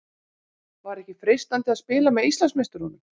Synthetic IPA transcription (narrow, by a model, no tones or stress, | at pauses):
vaɾɛhcɪfɾɪst̪ant̪ɪaðspɪːlamɛðist̪lansmest̪ʏɾhunʏm